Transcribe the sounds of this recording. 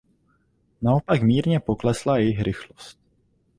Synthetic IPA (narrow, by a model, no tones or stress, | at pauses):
nao̞pakmiːɾɲɛpo̞klɛslajɪxɾɪxlost̪̚